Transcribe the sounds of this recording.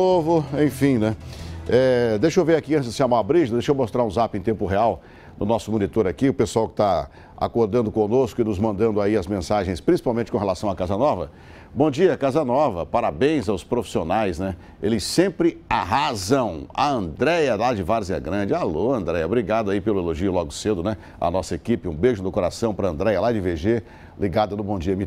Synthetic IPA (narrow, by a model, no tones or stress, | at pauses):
ovʊẽj̃fĩj̃nɛɛd̪ejʃowveɾakiɐ̃nt͡ʃɪzd̪ɪsʃamabɾiʒɐd̪ejʃowmost̪ɾaɾũzapẽt̪ẽmpʊɦeaw | nʊnɔsʊmõnit̪oɾakiʊpesuawkɪ̥t̪a | a̰koɾd̪ɐ̃nd̪ʊkõnoskʊɪnʊzmɐ̃nd̪ɐ̃nd̪ʊaiɐzmẽsaʒẽj̃spɾĩsi̥pawmẽnt͡ʃɪkõɦelasɐ̃w̃akazɐnɔvɐ̰ | bõd͡ʒiɐkazɐnɔvɐpaɾabẽj̃zawspɾofi̥sionajznɛ | elɪsẽmpɾɪaɦazɐ̃w̃aɐ̃nd̪ɾɛjɐlad͡ʒɪvaɾziɛ̰ɡɾɐ̃d͡ʒɪaloɐ̃nd̪ɾɛjɐobɾiɡad̪ʊaipelʊeloʒiʊlɔɡʊsed̪ʊnɛ | ɐ̰nɔsɐekipɪũbeʒʊnʊkoɾasɐ̃w̃pɾɐɐ̃nd̪ɾɛjɐlad͡ʒɪveʒe | liɡad̪ɐnʊbõd͡ʒiɐmi